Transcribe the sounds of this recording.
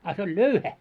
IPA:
ɑ se olʲ løuhæ

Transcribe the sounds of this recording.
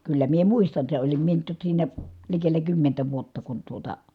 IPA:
kylːæ mie muistɑn se olim mie tok siːnæ likelːæ kymːentæ ʋuotːɑ kun tuotɑ

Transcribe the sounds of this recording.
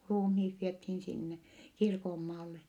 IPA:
ruːmhiːt ʋiethiːn sinːe kirkomːɑːlːe

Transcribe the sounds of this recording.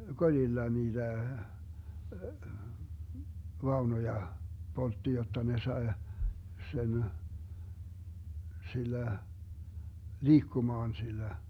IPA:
kolʲilːɑ niːd̥æ ʋɑunojɑ poltːi jotːɑ ne sɑe sen silːæ liːkːumɑːn silːæ

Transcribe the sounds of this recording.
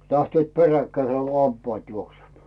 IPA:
læhtyøˑt perækːæiseˑ k̆o lɑmpɑːt juoksemɑː

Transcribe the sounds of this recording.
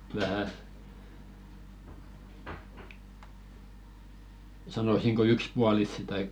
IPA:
ʋæhæ sɑnosiŋko ykspuɑlisːi tɑik

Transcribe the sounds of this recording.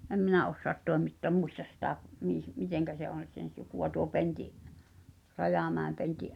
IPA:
em minæ osːoɑt toˑemitːoɑ̆m muistɑs sitæ miˑh miteŋkæ se on̞ sen̞ sukuɑ tuo pentiʔ rɑjɑˑmæˑem pentiʔ

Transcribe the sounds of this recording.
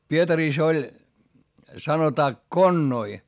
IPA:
pietɑriˑs olʲ sɑnotɑː konːoi

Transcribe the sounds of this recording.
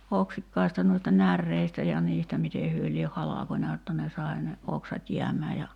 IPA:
oksikːɑistɑ nuistɑ nærːeistæ jɑ niːstæ mite hyø lieh hɑlɑkonʲɑ jotːɑ ne sɑi̞ ne oksɑt jiæmˑæː jɑ

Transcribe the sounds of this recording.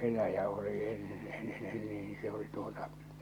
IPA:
elæjæ oli enːe en nen niːn se oli tu̥o̥tɑ̥

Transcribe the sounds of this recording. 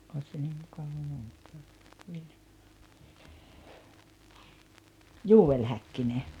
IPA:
oˑis se niːm mukɑʋɑ muistɑː juːel hækːine

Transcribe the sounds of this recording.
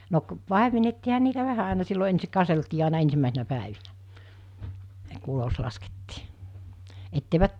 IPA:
no k pɑˑemenetːiːhɑ niːtæ ʋæhæ ɑˑenɑ silːo ensik kɑseltiː ɑˑinɑ ensimːæˑesinæ pæˑeʋinæ ku ulos lɑsketːiː etːeiʋæt

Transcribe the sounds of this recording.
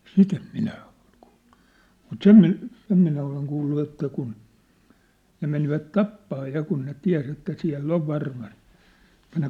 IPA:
sit em minæ o̥l̥ ku̥ːl̥ːu̥ mut sem mi sem minæ oleŋ kuːlːu etːæ kun ne meniʋæt tɑpːɑː jɑ kun ne tiæ̝s etːæ siæ̝lː oʋ ʋɑrmɑst ĕtˑæ ne

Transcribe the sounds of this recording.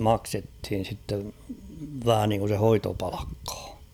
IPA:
mɑksethin̞ sitːeʋ ʋæhæ niŋku se hoitopɑ̥l̥ɑ̥kːɑ̥ː

